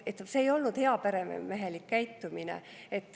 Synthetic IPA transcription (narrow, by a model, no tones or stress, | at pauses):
et̪ːseːjo̞lnud̪̥he̞ɑpeɾem̰meɦe̞likːæjt̪ːuminḛ | et̪ˑː